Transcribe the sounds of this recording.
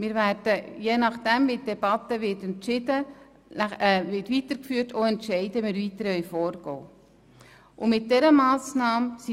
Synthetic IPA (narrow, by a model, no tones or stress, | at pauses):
mɪɾvæɾd̥əjeːnɑχd̥ɛmvitd̥ɛb̥ɑtːəʋɪtɛntʃɪdə | vɪtʋitəɾkfyːɾtʰoɛntʃɛɪdəmɪɾvitəɾœʏfɔːɾɡ̥o̰ː | ʔʊmɪt̚d̥ɛɾəmɑːsnɑːmsi